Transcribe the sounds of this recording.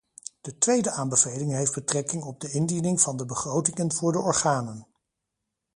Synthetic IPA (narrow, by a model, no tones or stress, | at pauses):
d̥ətʋejdəʔaːmbəvejlɪŋɦejfd̚bətrɛkɪŋɔb̚dəɪndinɪŋv̥ɑndəbəχrowtɪŋənvʊːɹdəʔɔɹχaːnən